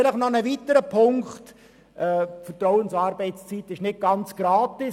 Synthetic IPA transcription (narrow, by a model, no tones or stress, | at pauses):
ɪləχnɔnəvitəɾəpʰʊŋkχt | ɛːfətrɔwənsɑːɾbɛɪtst͡sitɪʃnɪt̚ɡ̥ɑnt͡sɡ̥ɾɑːtɪs